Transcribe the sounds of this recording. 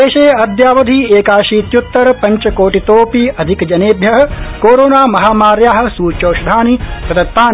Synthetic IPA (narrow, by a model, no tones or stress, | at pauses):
eːʃeːɐd̪jaːʋɐd̪ʱiːeːkaːʃiːt̪jut̪ːɐɾpɐɲt͡ʃɐkoːʈit̪oːpiɐd̪ʱikd͡ʒɐneːbʱjɐɦɐ̆koːɾoːnaːmɐɦaːmaːɾjaːɦɐ̆suːt͡ʃoːʃɐd̪ʱaːnit̪ɐt̪ʰɐt̪ːaːn